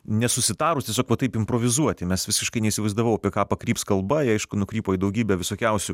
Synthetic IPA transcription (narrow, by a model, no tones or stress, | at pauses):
nʲɛsʊsʲɪt̪ɑːɾʊst̪ʲiɛsʲoːkʋɐt̪ɐɪpɪmpɾoʋʲɪzuɔt̪ʲɪmʲɛsʋʲɪsʲɪʃkɐɪnʲɛisʲɪʋɐɪzd̪ɐʋɐʊɐpʲiɛkɑːpɐkɾʲiːpskɐlˠbɐɪɐɪʃkʊnʊkɾʲiːpoːid̪ɐʊɡʲiːbʲɛʋʲɪsoːkʲɛʊsʲʊ